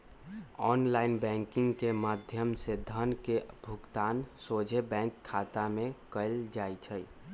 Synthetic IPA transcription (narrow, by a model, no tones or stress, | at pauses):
ɔnlaɪnbɛ̃ŋkɪŋɡkemad̪ʱjəmsed̪ʱənkebʱukt̪aːnsod͡ʒʱebɛ̃ŋkʰːat̪amẽkəld͡ʒajt͡ʃʰəj